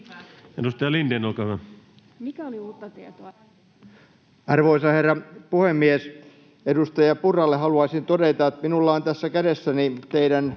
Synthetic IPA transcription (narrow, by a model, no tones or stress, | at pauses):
edust̪ɑjɑlindenolkɑˑhyʋæ | mikæoliuːt̪ːɑt̪iet̪oɑ | ɑrʋoisɑherːɑpuhemːies | edust̪ɑjɑpurɑlːeɦɑluɑisint̪odet̪ɑet̪minulːɑːnt̪æsːækæɾesːænit̪eidæn